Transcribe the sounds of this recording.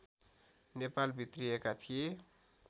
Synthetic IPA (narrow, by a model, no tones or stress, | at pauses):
nepalbʱit̪rijekat̪ʰije